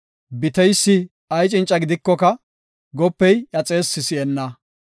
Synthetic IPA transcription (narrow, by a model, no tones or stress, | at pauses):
bɪt̪ɛjsːɪ | ɐjt͡ʃʼɪnt͡ʃʼɐɡɪd̪ɪkːɔkɐ | ɡɔpːɛjjɐt͡sʼe̞ːsːɪsɪɛnːɐ